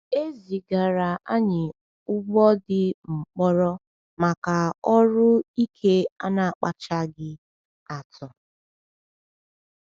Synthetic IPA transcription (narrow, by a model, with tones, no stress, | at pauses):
e˦zi˨ɡa˨ɾa˨ʔa˦ɲɪ˨ | ʊ˦ɡ͡bɔ˦dɪ˦m̩˨k͡pɔ˦ɾɔ˦ | ma˨ka˨ɔ˦ɾʊ˦i˦kʰe˦a˦na˨k͡pa˨t͡ʃa˦ɡɪ˦ | a˨tʰɔ˨